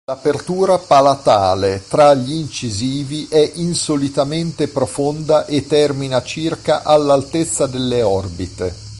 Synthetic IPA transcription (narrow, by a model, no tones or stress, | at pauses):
lapert̪uːɾapalat̪aːlet̪ɾaʎːiːnt͡ʃiziːviʔɛʔinsolit̪ament̪epɾofond̪aʔet̪ːɛrminat͡ʃirkaʔalːalt̪et̪sːad̪elːeɔrbit̪e